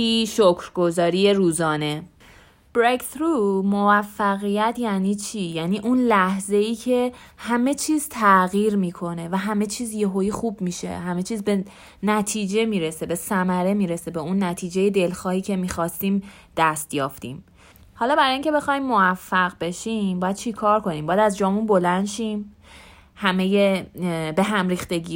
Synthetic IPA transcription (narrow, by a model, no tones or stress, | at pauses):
iʃocʰɾɡo̞zɒːɾije̞ɾuːzɒːne̞ | b̥ɾekʰt̪ɾumovæfːæɣijæt̪ʰjæniːt͡ʃʰiːjæːniːʔunlæhze̞iːcʰe̞hæme̞t͡ʃʰiːz̥t̪ʰæɣiːɾmiːkʰo̞ne̞væɦæme̞t͡ʃʰiːzje̞ɦoiːxuːbmiːʃe̞̰hæme̞t͡ʃʰiːzbe | næt̪ʰiːd͡ʒe̞miːɾese̞be̞sæmæɾe̞miːɾese̞beunːæt̪ʰiːd͡ʒe̞je̞d̪elxɒːhiːcʰe̞miːxɒːst̪iːm | d̪̥æst̪jɒːft̪ḭːm | hɒːlɒːbæɾɒːjiŋcʰe̞be̞xɒːjimːoæfːæɣbe̞ʃimbɒːjæd̪̥̚t͡ʃʰekʰɒːɾkʰo̞niːmbɒːjæd̪æzd͡ʒɒːmunbo̞lænd̪ʃiːm | hæme̞jebe̞ɦæmɾiːxt̪e̞ɟiː